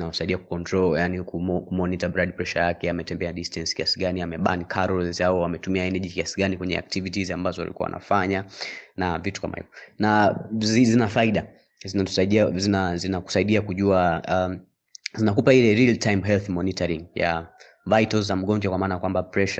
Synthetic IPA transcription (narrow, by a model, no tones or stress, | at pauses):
nawasaiɗiaku̥kɔntɾɔljanikumɔkumɔnitabɾadpɾɛʃajakɛamɛtɛmbɛaɗistɛnskiasiɠaniamɛɓa̰nikʰaɾɔzaɔwamɛtumiaɛnɛʄikiasiɡanikwɛɲɛa̰k̚tivitziambazɔwa̰likua̰a̰nʔa̰faɲanavitu̥ka̰ma̰hḭvɔnazizinafaiɗa | zinau̥zinazinaku̥saiɗiakuʄua | zinakupailɛɾiltʰajmɦɛlθmɔnitaɾiŋja̰ | vajtɔlzam̩ɠɔɲd͡ʒakwamaːnajakwambapɾɛʃa